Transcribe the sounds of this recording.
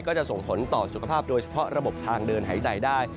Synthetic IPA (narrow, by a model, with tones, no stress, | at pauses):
kɔː˥˩t͡ɕa˨˩ʔso˨˩ŋpʰo˩˦nt̪ɔː˨˩su˨˩kʰa˧pʰaː˥˩p̚doː˧jt͡ɕʰḁ˧pʰɔ˦˥ɾa˧bo˨˩p̚t̪ʰaː˧ŋdɤː˧nɦaː˩˦jt͡ɕa˨˩jdaː˥˩j